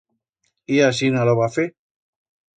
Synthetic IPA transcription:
iasinaloβafe

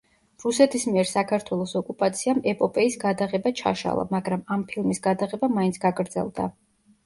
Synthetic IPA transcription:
ɾusɛt̪ʰismiɛɾsakʰaɾt̪ʰwɛlˠɔsɔkʼupʼat̪sʰiamɛpʼɔpʼɛisɡad̪aʁɛbat͡ʃʰa̰ʃa̰lˠa̰maɡɾamampʰilˠmisɡad̪aʁɛbamaint̪sʰɡ̥aɡɾd̪z̥ɛ̰lˠd̪a̰

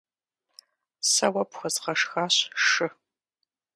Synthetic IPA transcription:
sɐwɐpxʷɐzʁɐʂxaːɕʂɨ

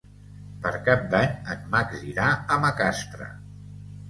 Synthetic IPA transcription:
pəɾkap̚d̪aɲət̪maɡziɾaəməkast̪ɾə̰

